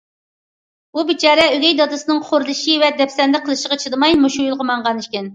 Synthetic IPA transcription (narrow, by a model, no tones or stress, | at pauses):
bubɪt͡ʃʰɑːɾɛølʲɛjd̪ɑd̪ɨsɨnɨŋχʰoɾlˠɨʃivɛd̪ɛpsɛnd̪ɪqʰəlˠɨʃəʁɑt͡ʃʰəd̪ɨmɑjmuʃujulˠʁəmɑɴʁɑniʃkʲɛn